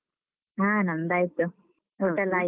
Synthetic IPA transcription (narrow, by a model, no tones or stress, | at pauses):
ãːnɐnd̪aːjit̪ːu | oːʈːɐlːaː